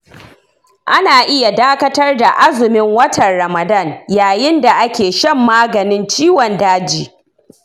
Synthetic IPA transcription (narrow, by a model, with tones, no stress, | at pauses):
ʔa˦naː˨ʔɪ˦ja˨daː˦kɐ˦tɐ˦rda˨ʔa˦zʊ˨mɪ˦ŋwɐ˦tɐ˨nɾɐ˨mɐ˨dɐ˦˨ɲjaː˨jɪ˦nda˨ʔa˦kʲeː˨ʃɐ˦˨mːaː˦ɡɐ˨nɪ˦nt͡ʃiː˦wɔ˨ndaː˦d͡ʒiː˨